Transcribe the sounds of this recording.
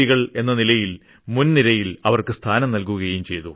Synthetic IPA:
iɣɐɭe̞nːɐnilɐjil | munniɾɐjilɐʋɐrkɨst̪ʰaːnɐmnɐlkuɣɐjumt͡ɕe̞jt̪u

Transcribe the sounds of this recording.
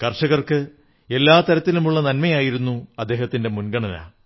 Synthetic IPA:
kɐrʂɐɣɐrkɨ | e̞lːaːt̪ɐɾɐt̪ːilumuɭːɐnɐnmɐjaːjiɾunːuɐd̪ːe̞ːhɐt̪ːinde̞munɡɐɳɐna̰ː

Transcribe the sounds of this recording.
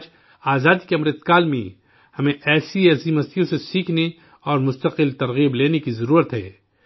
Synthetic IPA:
d͡ʒ | aːzaːd̪ikeɐmɾət̪kaːlmḛ̃ | hɐmẽʔɛːsiɛsiːməst̪ijõsesiːkʰne | ɔːɾmʊst̪əqɪlt̪ɐɾɣiːbleːnekizɐɾuːɾət̪ɦɛ̰ː

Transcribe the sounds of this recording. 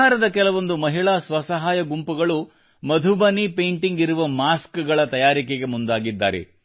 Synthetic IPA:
aːɾɐd̪ɐkɛlɐʋo̞nd̪umɐɦiɭaːsʋɐsɐɦaːjɐɡumpuɡɐɭu | mɐd̪ʱubɐnipeːɳʈiŋɡiɾuʋɐmaːskɡɐɭɐt̪ɐjaːɾikeɡe̞mund̪aːɡid̪ːa̰ːɾḛ

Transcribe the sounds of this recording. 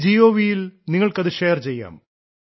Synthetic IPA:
d͡ʑiːoːʋijilniŋːɐɭkɐðɨʂejɐrt͡ɕe̞jːa̰ːm

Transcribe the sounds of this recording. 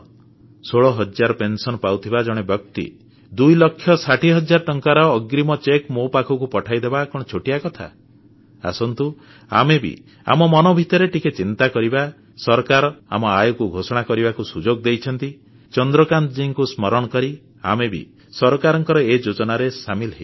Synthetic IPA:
soɭɔɦɔd͡ʒaɾɔpensɔnɔpawt̪ʰibad͡ʒɔɽ̃ebjɔkt̪ḭ | d̪ujlɔkʰːjɔsaʈʰiɦɔd͡ʒaɾɔʈɔŋkaɾɔːɡɾimɔt͡ʃekmopakʰɔkupɔʈʰajd̪ebakɔɽ̃ɔt͡ʃʰoʈiakɔt̪ʰa̰ | a̰sɔnt̪u | a̰mebḭ | a̰mɔmɔnɔbʱit̪ɔɾeʈiket͡ʃint̪akɔɾiba | sɔɾɔkaɾɔa̰mɔajɔkuɡʱosɔɽ̃akɔɾibakusud͡ʒoɡd̪ejt͡ʃʰɔnt̪i | t͡ʃɔnd̪ɾɔkant̪d͡ʒiŋkusmɔɾɔɽ̃ɔkɔɾi | a̰mebḭ | sɔɾɔkaɾɔŋkɔɾɔed͡ʒod͡ʒɔnaɾesamilɦej

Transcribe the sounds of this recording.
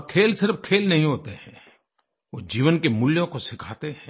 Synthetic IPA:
kʰeːlsɪɾəfkʰeːlnɐɦĩɦoːt̪eɦɛ̃ː | ʋoːd͡ʒiːʋənkemʊljõkosɪkʰaːt̪eɦɛ̃ː

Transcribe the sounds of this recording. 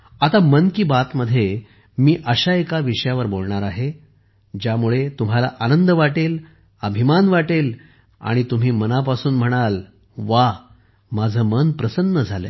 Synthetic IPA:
at̪amənkiːbat̪məd̪ʱːje | miːʔəɕaekaʋiʂəjaʋəɾbolɳaɾaɦe | d͡ʑjamuɭet̪um̤alaʔanənd̪əʋaʈel | əbʱimanʋaʈel | a̰ɽ̃it̪um̤iːmənapasuːnm̤əɽ̃al | ʋa | mad͡zʱəmənpɾəsənːəd͡zʱalḛ

